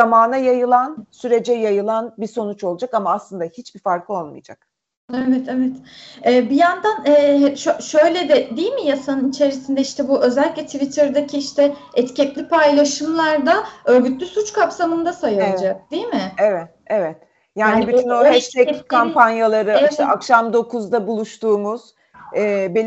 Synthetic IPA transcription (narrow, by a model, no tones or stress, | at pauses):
amaːnajajɯlˠansyɾe̞d͡ʒɛjajɯlˠanbiso̞nut͡ʃolˠud͡ʒakamaːslˠɯnd̪ahit͡ʃbifaɾkʰɯolˠmɯ̰jd͡ʒak̚ | ɛvɛt̪ʰɛvɛt̪ɛːbijand̪anɛːʃoʃø̞jlʲed̪ɛd̪ijilʲmijasanɯnit͡ʃʰe̞ɾisind̪ɛiʃt̪ʰɛbuʔø̞zɛlʲːiclʲɛt̪ʰivit̪ʰɛɾd̪acʰiiʃt̪ʰɛɛt̪cɛt̪lʲipʰajlˠaʃɯmlˠaɾd̪aøːɾɡyt̪lʲysut͡ʃkʰapsamɯnd̪asajad͡ʒak̚d̪ijmɪevɛt̪ | evɛt̪ | jaːnːnibyt̪ʰynohɛt͡ʃt̪ɛckʰampanjalˠaɾɯʃt̪ɛakʃamd̪o̞kʰuzd̪abulˠuʃt̪uːmuz̥ | ɛːbe